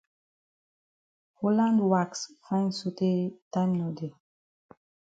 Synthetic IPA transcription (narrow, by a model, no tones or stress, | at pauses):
holãndwaksfãj̃nsotetãnnɔde